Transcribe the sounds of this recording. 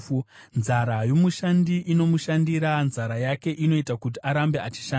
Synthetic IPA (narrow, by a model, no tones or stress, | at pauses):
nzaɾajo̞muʃandiʔino̞muʃandiɾanzaɾajake̞ʔino̞itakut̬iʔaɾambe̞at͡ʃi̥ʃa